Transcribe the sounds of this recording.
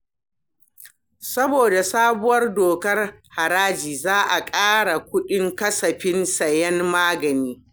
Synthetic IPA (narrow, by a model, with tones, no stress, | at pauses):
sɐ˦boː˨da˨saː˦bʊ˦wɐ˦rdoː˨kɐ˦rha˨ɾaː˦d͡ʒiː˨zaː˦ʔa˨kʼaː˦ɽa˨kʷʊ˦ɗɪ˦ŋkɐ˦sɐ˨ɸɪ˦nsɐ˨jɛ˦nmaː˦ɡɐ˨niː˦